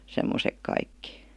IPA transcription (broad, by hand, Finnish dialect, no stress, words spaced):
semːosek kɑikːi